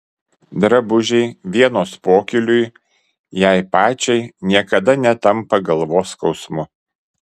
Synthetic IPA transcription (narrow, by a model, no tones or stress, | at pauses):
d̪ɾɐbʊʒʲɛɪʋʲiɛnoːspoːkʲɪlʲʊj | jɛˑɪpɑːt͡ʃʲɛɪnʲiɛkɐd̪ɐnʲɛt̪ɐmpɐɡɐlˠʋoːskɒʊsmʊ